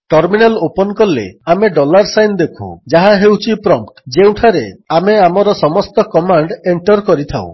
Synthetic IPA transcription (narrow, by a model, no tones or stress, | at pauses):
ʈɔɾminalopɔnkɔlːḛameɖɔlaɾsajnd̪ekʰṵd͡ʒaɦaɦewt͡ʃʰipɾɔmd͡ʒew̃ʈʰaɾeameamɔɾɔsɔmɔst̪ɔkɔmaɳɖeɳʈɔɾkɔɾit̪ʰa̰w̰̃